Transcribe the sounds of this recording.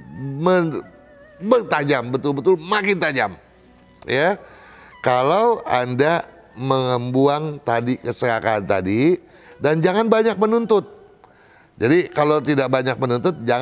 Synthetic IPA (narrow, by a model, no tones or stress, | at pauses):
mə | bərt̪ad͡ʒambət̪ʊlbət̪ʊlmakɪnt̪ad͡ʒam | ja | kalawa̰nda | məŋəmbuaŋt̪adikəsəɾakaːnt̪a̰di | dand͡ʒaŋanbaɲak̚mənunt̪ʊt̪̚ | d͡ʒadikalawt̪idak̚baɲak̚mənunt̪ʊt̪̚d͡ʒaŋ